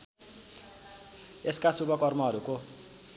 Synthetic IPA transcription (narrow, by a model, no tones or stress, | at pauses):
eskasubʌkʌrmʌɦʌɾuko